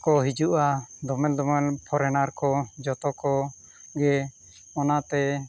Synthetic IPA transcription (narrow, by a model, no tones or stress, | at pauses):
kɔɦid͡ʒuʔad̪ɔmɛld̪ɔmɛlpʰɔɾɛnaɾkɔd͡ʒɔt̪ɔkɔ | ɡɛ | ɔnat̪ɛ